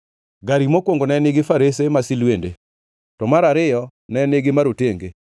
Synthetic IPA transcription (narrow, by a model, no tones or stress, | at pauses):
ɡaɾimokwoŋɡonɛnɪɡɪfaɾes̬emasilwendḛ | tɔmaɾaɾɪjɔnɛnɪɡɪmaɾoteŋɡe